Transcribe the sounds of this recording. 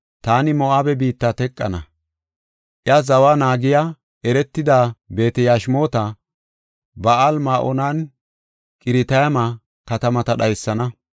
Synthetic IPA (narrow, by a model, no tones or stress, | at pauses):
t̪aːnɪmɔʔaːbɛbiːt̪ːat̪ɛkʼːɐnɐ | ʔjɐzɐwaːnaːɡɪja | ʔɛɾɛt̪ːɪd̪aːbe̞ːt̪ɛjaːʃmo̞ːt̪ɐ | bɐʔalmaːʔɔnaːn | kʼɪɾɪt̪ɐjɐma | kɐt̪ɐmɐt̪ɐɗɐjsːɐnɐ